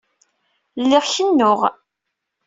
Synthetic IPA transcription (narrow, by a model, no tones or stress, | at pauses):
lːɪʁçənːʊʁ